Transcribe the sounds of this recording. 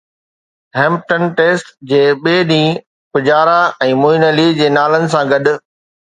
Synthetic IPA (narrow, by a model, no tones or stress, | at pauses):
ɦɛ̃ːmp̚ʈənʈeːsʈd͡ʑeːɓeːɗĩː | pʊd͡ʑaːɾaɛ̃ːmoinəlid͡ʑeːnaːlənɪ̆sãɡɐɗʊ̆